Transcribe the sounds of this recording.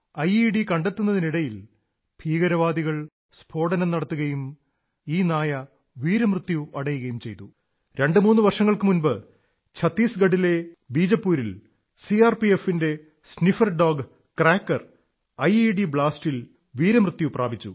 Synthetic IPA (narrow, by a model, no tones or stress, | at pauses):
ɐjiɖikɐɳɖe̞t̪ːunːɐðiniɽɐjil | b̥ʱiːɣɐɾɐʋaːd̪iɣɐɭ | sbʰʱo̞ːɽɐnɐmnɐɽɐt̪ːuɣɐjum | iːnaːjɐ | ʋiːɾɐmrɨt̪ːjuɐɽɐjuɣɐjumt͡ɕe̞jt̪u | ɾe̞ɳɖɨmuːnːɨʋɐrʂɐŋːɐɭkɨmunbɨ | t͡ɕʰɐt̪ːiːsɡɐɽile̞biːd͡ʑɐpːuːɾil | siaːrpie̞finde̞ | snifɐrɖo̞ːɡ | kraːkːɐr | ɐjiɖibɭaːstil | ʋiːɾɐmrɨt̪ːjupra̰ːbʱit͡ɕːṵ